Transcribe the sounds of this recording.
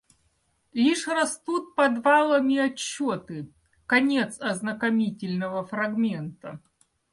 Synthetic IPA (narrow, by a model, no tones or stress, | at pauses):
lʲiʂrɐst̪ut̪̚pɐd̪valˠəmʲɪɐt͡ɕːot̪ɨ | kɐnʲe̞t̪sɐznəkɐmʲitʲɪlʲnəvəfɾɐɡmʲent̪ə